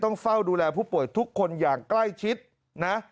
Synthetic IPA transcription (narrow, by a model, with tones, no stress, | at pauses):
t̪ɔ˥˩ŋfa˥˩wduː˧lɛː˧pʰuː˥˩pu˨˩əjt̪ʰu˦˥kʰːo˧njaː˨˩ŋkla˥˩jt͡ɕʰi˦˥t̪̚ | na˦˥